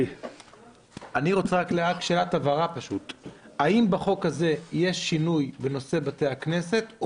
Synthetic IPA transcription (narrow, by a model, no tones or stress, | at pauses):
aniʁo̞t͡seʁakleakʃelatavaʁapaʃutaimbaχo̞khaze̞je̞ʃːinujbeno̞se̞bate̞akne̞se̞t